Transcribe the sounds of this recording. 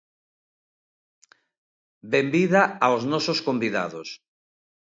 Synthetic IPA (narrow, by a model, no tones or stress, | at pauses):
bembiðaaoznɔsoskombiða̰ðos